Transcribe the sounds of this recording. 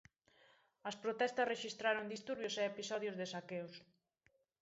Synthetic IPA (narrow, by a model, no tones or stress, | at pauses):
ɐspɾot̪ɛst̪ɐsreʃist̪ɾaɾoŋd̪ist̪uɾβjosɛepisɔðjʊzðesakews